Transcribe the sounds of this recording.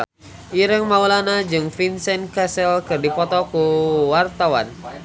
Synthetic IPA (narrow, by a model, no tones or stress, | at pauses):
ʔiɾəŋmaulanad͡ʒɨŋfinsɛnkasɛlkɨrdipɔt̪ɔkuwart̪awan